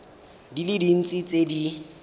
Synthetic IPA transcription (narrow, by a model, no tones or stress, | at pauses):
dilidin̩t͡sʼit͡sʼedi